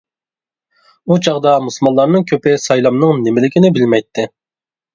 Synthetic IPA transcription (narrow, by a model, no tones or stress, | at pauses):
ut͡ʃʰɑʁd̪ɑmuslˠmɑnlˠɑɾnɨŋkʲʰøpɪsɑjlˠɑmnɨŋnɪmɪlɪkʲʰinɪbɪlmɛjt̪ʰːɪ